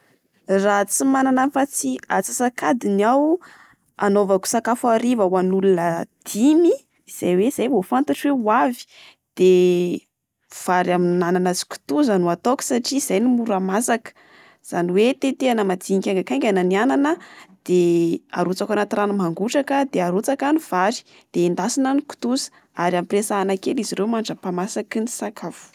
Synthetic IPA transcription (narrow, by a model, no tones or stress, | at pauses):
rat͡simananafat͡siat͡si̥sakad̪inaw | a̰novaku̥sakafaɾivawanulunəd̪̥imi | iz̥ajweiz̥ajvofant̪aʈ͡ʂweuavi̥ | d̪̥e | v̥aɾaminananazi̥kʲu̥t̪uzanuat̪okʲə̥saʈ͡ʂiːzajnimuɾamasakə̥ | z̥aniwet̪et̪eanəmad̪iɲikʲaŋɡakaŋɡʲananiananəd̪̥ea̰ɾut͡sakanat̪iɾanmaŋɡuʈ͡ʂakəd̪eaɾut͡sakaniv̥aɾi̥ | d̪̥eind̪asinaniku̥t̪uzə̥ | aɾiamipresaanakeliziɾewmaɳɖ͡ʐəpamasakinisakʰav̥u̥